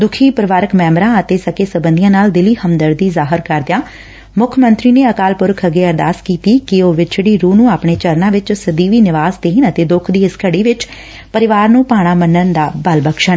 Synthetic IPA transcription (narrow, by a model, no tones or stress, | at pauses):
d̪ʊkʰiːpəɾʋaːɾəkmɛ̃ːmɾãːət̪eːsəkeːsəbənd̪ijãːnaːld̪ɪliːhəmd̪əɾd̪iːzaːɦəɾkəɾd̪ɪjaː | mʊkʰmə̃nt̪ɾiːneːəkaːlpʊɾkʰəɡeːəɾd̪aːskiːt̪iːkɪoːʋɪt͡ʃɽiːɾuːnũːaːpɳ̃eːt͡ʃəɾnãːʋɪt͡ʃsəd̪iːʋiːnɪʋaːst̪eːnət̪eːd̪ʊkʰd̪iːɪskəɽiːʋɪt͡ʃ | pəɾɪʋaːɾnũːpaːɽ̃aːmənːənd̪aːbəlbəkʃən